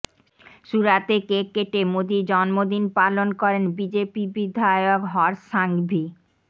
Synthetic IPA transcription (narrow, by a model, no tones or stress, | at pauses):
ʃuɾat̪ekekeʈemod̪id͡ʑɔnmod̪inpalonkɔɾenbid͡ʑepibid̪ʱaejokɦɔɾʃaŋbʱi